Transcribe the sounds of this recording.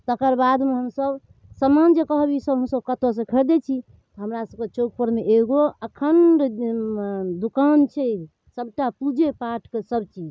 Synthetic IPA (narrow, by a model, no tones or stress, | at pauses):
t̪əkəɾbad̪meɦəmsəb | səmand͡ʒekəɦbisəbɦəmsəbkət̪os̬ẽkʰəd̪et͡ʃʰi | t̪ɔɦəmɾasəb̚ket͡ʃoɡ̚pəɾmeʔeɡoəkʰənɖ | d̪ukant͡ʃʰɛ | səbʈapud͡ʒepaʈʰkesəbt͡ʃid͡ʒ